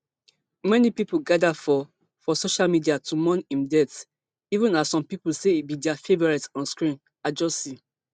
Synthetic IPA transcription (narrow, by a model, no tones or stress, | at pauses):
mɛnipiplɡadafɔ | fɔsoʃalmidiatumɔ̃nĩmdɛt | ivũnassːɔ̃mpipulseit̚bidɛafevɔɹɛtɔ̃nskɹĩn | ad͡ʒɔsi